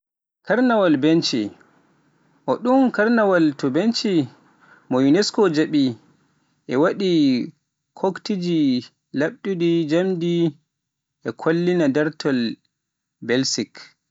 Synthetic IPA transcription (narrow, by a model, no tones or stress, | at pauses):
kaɾnawalbent͡ʃḭ | ʔɔɗumkaɾnawaltɔbent͡ʃi | mɔjunɛskɔd͡ʒaɓi | ʔɛwaɗi | kʰoktid͡ʒi | laɓɗudid͡ʒamdi | ʔɛkʰolːinadaɾtʰɔl | bɛlsik